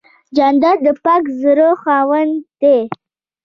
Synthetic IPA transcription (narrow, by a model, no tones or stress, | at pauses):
d͡ʒand̪ad̪əpakzəɾoxɑwənt̪e